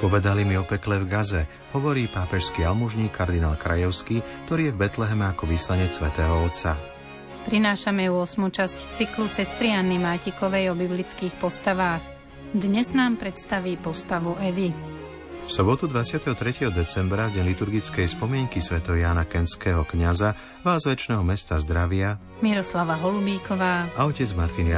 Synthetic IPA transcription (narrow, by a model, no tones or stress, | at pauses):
pɔʋɛd̪alimiɔpɛklɛvɡazɛ | hɔʋɔɾiːpaːpɛʃskiːalmuʒɲiːkʰːaɾd̪inaːlkɾʔa̰jɔʊskiːk̚t̪ɔɾiːjɛvbɛt̪lɛɦɛmɛakɔʋiːslaɲɛt͡ssːʋɛt̪ɛːɦɔɔt̪t͡sa | pɾinaːʃamɛuɔsmut͡ʃasct͡siklusɛst̪ɾianimaːcikɔʋɛjɔbiblit͡skiːxpɔst̪aʋaːx | d̪ɲɛznaːmpɾɛt̪st̪aʋiːpɔst̪aʋuɛʋi | fsɔbɔt̪ud̪ʋat͡sɪat̪ɛɦɔt̪ɾɛcɛɦɔd̪ɛt͡sɛmbɾavɟɛɲlit̪uɾɡit͡skɛjspɔmɪɛŋkisʋɛt̪ɛɦɔjaːnakɛnskɛːɦɔkɲaza | ʋaːzʋɛt͡ʃnɛːɦɔmɛst̪azd̪ɾaʋɪa | miɾɔslaʋaɦɔlubiːkɔʋaːaɔcɛd͡zmaɾt̪in